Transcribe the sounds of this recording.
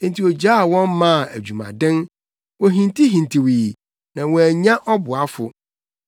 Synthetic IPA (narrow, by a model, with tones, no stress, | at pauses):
ntʰi˨ɔ˨d͡ʑa˦˨wɔ̃˦nmã˦˨æ˨d͡ʑᶣu˨mã̰˨dɪ̃˦n | wɔ̃˨ɦĩ˨ntʰi˦ɦĩ˨ntʰi˨wiː˨ | nã˨wɔ̃˨æ˨ɲã˦ʔɔ˦bʊ˨a˦fʊ˨